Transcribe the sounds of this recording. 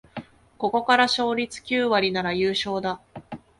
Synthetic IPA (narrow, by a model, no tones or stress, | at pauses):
ko̞ko̞kaɾaɕo̞ːɾʲit͡sɨ̥kʲɨːβaɾʲinaɾajɯːɕo̞ːd̪a